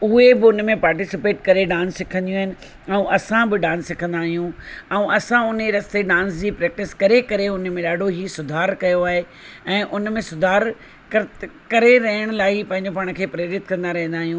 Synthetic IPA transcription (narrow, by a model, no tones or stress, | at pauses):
uɦebɪʊnmẽpaːɾʈ̬ɪsɪpeːʈkɐɾeɖãːnsːɪkʰə̃nd̪ijũɦɪnɪ̆ | ɛ̃ũʔɐsãbɪɖãːnsːɪkʰə̃nd̪aːɦijũɛũʔɐsãʊneɾɐst̪eɗãːnsd͡ʑiːpɾɛːk̚ʈɪskɐɾekɐɾeʊnmẽɗaːɖʱoɦiːsʊd̪ʱaːɾkɐjoaːɦe | ɛ̃ːʔʊnmẽsʊd̪ʱaːɾ | kɐkɐɾeɾɐɦəɽ̃ʊlaːipɐ̃ɦɪ̃ɲd͡ʑopaːɽ̃̆kʰeːpɾeːɾɪt̪kɐ̃nd̪aɾɐɦə̃nd̪aːɦijũː